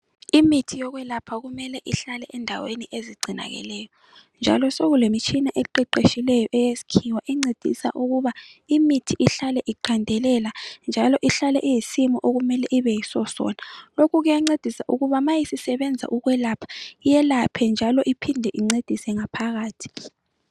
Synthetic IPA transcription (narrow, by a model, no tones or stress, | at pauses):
imitʰijɔɣwɛlapʰaɣumɛlɛʔiɬalɛʔɛndʱaweniʔeziɡ͡ǀʱina̰ɣɛ̰lɛjɔ | nd͡ʒʱa̰lɔsoɣulemit͡ʃʰʼinaʔeǃɛǃeʃilɛjɔʔɛjesi̥kʰiwaʔɛŋ͡ǀed̥ʱḭsa̰ʔuɣuβaimitʰiʔiɬalɛʔiǃʰandʱɛlɛland͡ʒʱalɔʔiɬalɛʔijisimɔʔoɣumɛlɛʔiβɛjisɔsɔ̰ːnalokʰuɣɛɛŋ͡ǀed̥ʱisaʔuɣuβamajisisɛβɛnd͡zʱa̰ʔuɣwɛlapʰḁijɛlapʰɛnd͡ʒʱalɔʔipʰindʱɛʔiŋ͡ǀed̥ʱisɛŋapʰaɣaːtʰi̥